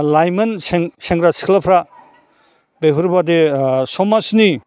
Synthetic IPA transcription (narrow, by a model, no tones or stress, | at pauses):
lajmɐnseŋseŋɡɾasi̥kʰlapʰɾa | beɦuɾbadesɔmasni